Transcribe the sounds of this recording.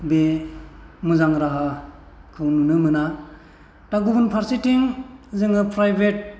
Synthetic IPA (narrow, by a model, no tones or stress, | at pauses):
be | muzaŋɾaɦa | kʰɯwnunɯmɯna | taɡubunpʰaɾsitiŋzɯŋɯpɾajbʱet̚